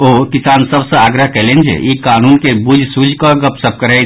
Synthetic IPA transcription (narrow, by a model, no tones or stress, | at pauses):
okisaːnsəbsə̃aɡɾəɦkɛɦlend͡ʒ̰ikanunkebud͡ʒʱsud͡ʒʱkəɡəpsəb̚kəɾɛ